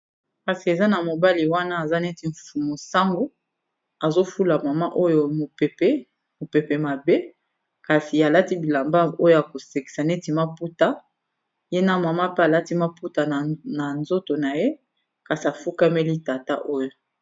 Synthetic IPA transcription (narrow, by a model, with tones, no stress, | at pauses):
ka˨si˨e˨za˦na˨mo˨ba˦li˨wa˦na˦a˨za˦ne˦ti˨ɱ̩˨fu˨mo˨sa˦ŋɡo˦ | a˨zo˦fu˦la˨ma˨ma˦ʔo˦jo˦˨mo˨pe˨pe˦ | mo˨pe˨pe˨ma˨be˦ | ka˨si˨a˨la˦ti˦bi˨la˨mba˦˨o˦jo˦ja˨ko˨se˨ki̥˨sa˨ne˦ti˨ma˦pu˦ta˦ | je˦na˦ma˨ma˦pe˦a˨la˦ti˦ma˦pu˦ta˨na˨nzo˦to˨na˨je˦ | ka˨si˨a˨fu˦ka˦me˦li˦ta˨ta˦ʔo˦jo˨